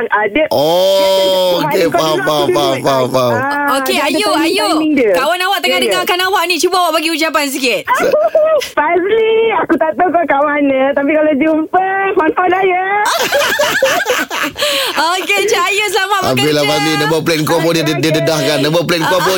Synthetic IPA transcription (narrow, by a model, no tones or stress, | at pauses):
adəɔ | okeapaapapaokeajuajoiŋdəkawanawaʔt̪əŋadəŋaakanawaʔnĩt͡ʃubaawaʔbaɡiud͡ʒap̬ans̬ikɪt̪̚s | fazliakut̪aʔt̪əkakawanə̃t̪ap̬ikalod͡ʒumpəfanfanajə | oket͡ʃaajos̬lamaʔa̰bilafaslinə̃bəplenkuapodididədahkanːə̃bəplenkuapo